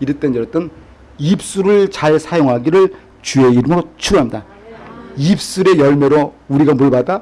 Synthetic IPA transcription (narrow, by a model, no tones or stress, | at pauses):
iɾɯt͈enʌɾʌt͈ɯn | ip̚s͈uɾɯɭt͡ɕaɭsʰajoŋɦaɡiɾɯɭ | t͡ɕue̞iɾɯmɯɾot͡ɕʰuɡoɦamida | ip̚s͈uɾe̞jʌɭme̞ɾouɾiɡamoɭbada